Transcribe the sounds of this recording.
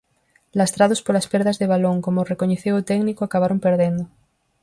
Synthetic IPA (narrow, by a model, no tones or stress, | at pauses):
last̪ɾað̞ospoɾlaspeɾðazðeβ̞aloŋkomorekoɲeθewot̪ɛɡnikoakaβ̞aɾompeɾðẽnd̪o